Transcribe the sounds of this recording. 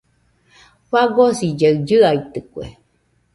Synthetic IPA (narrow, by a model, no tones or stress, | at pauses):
ɸaɡosid͡ʒaɰd͡ʒɨajt̪ɨkʷḛ